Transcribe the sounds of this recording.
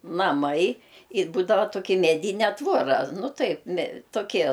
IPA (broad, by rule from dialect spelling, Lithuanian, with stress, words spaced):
nɐˈmɐɪ ɪ ˈbuːdɐʋɐ toːˈkʲɪ mʲɛˈdʲiːnʲɛ ˈtʋoːrɐ ˈnʊ ˈtɐɪp mʲɛ toːˈkʲiɛ